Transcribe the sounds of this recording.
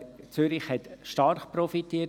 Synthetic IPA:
t͡syɾɪχhɛtʃtɑɾχpɾɔfitːiə

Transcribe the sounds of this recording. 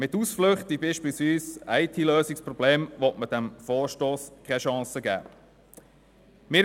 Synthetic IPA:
mɪt̪ːusflʏχt̪ibiːʃpiːlsʋiːsæɪt̪ʰiløːsɪkspɾɔbleːmʋɔtməd̥æmfɔːɾʃtoːskʰχɛʃɑ̃ːsəɡæ̰ː | mɪːɾ

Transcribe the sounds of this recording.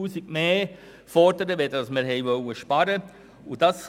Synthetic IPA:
uːsiɡ̥̚meː | fɔɾdəɾəʋɛd̪ədɑsməɾɦɛjʋœwəʃpɑɾə | ʊdɑs

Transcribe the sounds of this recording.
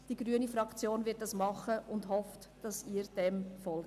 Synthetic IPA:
d̥iɡɾyənifɾɑkt͡sjoːnvɪt̚d̥ɑsmɑχəʔʊndhɔftd̥ɑsiːɾd̥ɛmfɔlɡ

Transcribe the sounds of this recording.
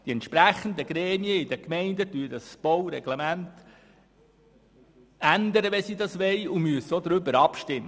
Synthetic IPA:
d̥iɛnt̪ʃpɾæχən̩d̪əɡɾɛːmiəɪd̪əkmɛɪndətyːəd̪ɑsb̥ɔwɾɛɡ̥lemænt | ænd̪əɾəʋɛsid̪ɑsʋɛjumyəsəɔd̪ɾʏbəɾɑpʃtɪmːə

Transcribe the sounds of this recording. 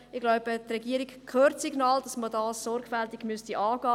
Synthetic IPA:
ɪɡ̥laʊb̥ətrɛɡiəɾiɡkʰχøːrtsiɡnɑːld̥ɑsmədɑːsːɔrɡ̥fɛltiɡ̥mystiʔɑːɡɑː

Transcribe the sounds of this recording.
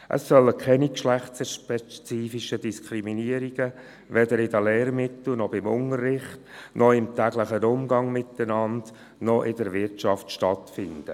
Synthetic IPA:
ʔə̰sːœləkʰɛnikʃlæχt͡səʃpɛt͡siːfiʃədiskʰɾiminiəɾiɡ̥ə | ʋɛdəɾɪdəlɛːɾmɪt̪l̩nɔbɪmʊ̰nərːɪχtnʔɔɪmtæɡləχənʊmɡɑŋmɪt̪ənɑnd | nɔʔɪdəɾʋɪɾtt͡ʃɑftʃtɑtfɪnd̥ə̰

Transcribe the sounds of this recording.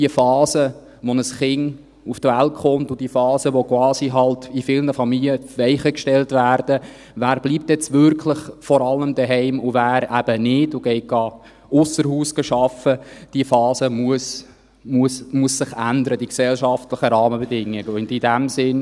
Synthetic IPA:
diəfɑːsə | ʋɔnəsχɪŋ | uftʋæltχʊmtʊd̥iəfɑːsəʋɔkwɑːsiɦɑltifɪlnəfɑmiliəʋɛɪχəkʃtɛltvæːɾd̥ə | væːɾb̥liːp̚t̪ɛt͡sʋʏɾkʰlɪχfɔɾɑlːəmd̪əɦɛɪmʊvæːɾæb̥ənɪdʊɡ̥ɛɪɡɑ | ʊsːəɾhuːsɡ̥əʃɑfəd̥iəfɑːsəmuəs | muəsmuəsːɪχændəɾəd̥iksɛlʃɑftləχəɾɑːməbɛdɪŋːɪɡəʊndidæmsɪn

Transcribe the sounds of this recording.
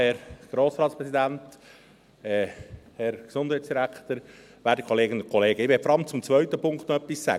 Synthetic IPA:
ɛɾɡ̥ɾoːsɾɑːt̪spɾɛsid̪ænt | ɛhɛɾɡ̥esʊnd̥hæjtt͡ssd̥iɾækt̪əɾ | ʋæːɾdikʰoleːɡənʊkʰɔleːɡəɪʋefɾɑmt͡sʊmt͡sʋœʏt̪əpʰʊŋkt̪noœpːissæ̰ɡ

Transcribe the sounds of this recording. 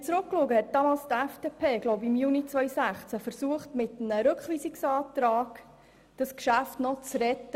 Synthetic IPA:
t͡sɾʊkːluəɡəhɛt̚d̥ɑmɑːlst̪æfd̥epʰeːɡ̥lɔʊbɪmjunit͡sʋœʏsæχt͡sæfəɾsuəχtmɪtənəɾɵkχʋiːsiksɑːt̪ɾaːɡ̥ | d̥ɑskʃæftnɔt͡sɾɛt̪ːə

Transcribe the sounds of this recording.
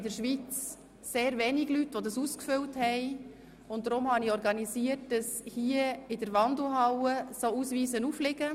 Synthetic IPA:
ɪdəɾʃʋit͡s | seːɾvɛniɡlytʋodɑsuskfʏlthɛɪ | ʊnt̚dɾʊmhɑniɔɾɡɑnisiət̚d̥ɑshiəɪdəɾʋɑndl̩ɦɑwəsousʋiːzənuflɪɡə

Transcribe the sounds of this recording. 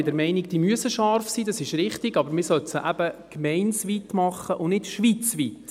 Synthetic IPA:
dɛɾmɛɪnɪɡ̚d̥iːmyəsəʃɑɾfsiːdɑsɪʃɾɪχtɪɡɑbəɾmɪsœtsəʔæb̥əkmɛɪnsʋitmɑχːəʔʊnnɪtʃʋiːt͡sʋit

